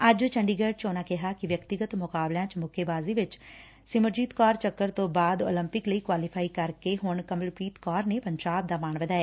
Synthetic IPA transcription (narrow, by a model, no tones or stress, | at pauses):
əd͡ʒt͡ʃəɳɖiːɡəːɖ̚t͡ʃoːnaːkɪɦaːkɪʋjəkt̪ɪɡət̪mʊkaːblãːt͡ʃmʊkʰeːbaːziːʋɪt͡ʃ | sɪməɾd͡ʒiːt̪kɔːɾt͡ʃəkːəɾt̪õːbaːd̪o̰ːləmpɪkləiːkwaːlipʰaːiːkəɾkeːɦʊɳkəməlpɾiːt̪kɔːɾneːpəɲd͡ʒaːb̚d̪aːmaːnʋəd̪aːɛː